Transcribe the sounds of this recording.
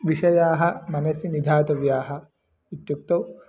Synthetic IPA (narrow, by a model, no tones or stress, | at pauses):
ʋiʃɐjaːɦɐ̆mɐnɐsinid̪ʱaːt̪ɐʋjaːɦɐ̆ | it̪juk̚t̪ɐw